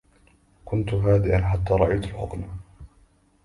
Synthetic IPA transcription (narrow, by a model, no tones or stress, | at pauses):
kʊnt̪ɦaːd̪ɪʔanħat̪ːaːɾˤɑʔajt̪alħʊ̰qna